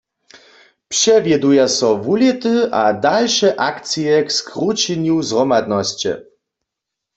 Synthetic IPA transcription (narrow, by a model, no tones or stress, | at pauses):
pʂɛvʲjɛd̪ujasɔvulʲit̪ɨʔad̪alʂɛʔakt̪sijɛkskɾut͡ɕinuzrɔmad̪nɔɕt͡ɕɛ̰